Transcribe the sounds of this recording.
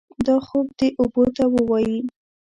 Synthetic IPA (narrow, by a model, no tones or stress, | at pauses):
d̪ɑxob̚d̪eʔobot̪awəwɑji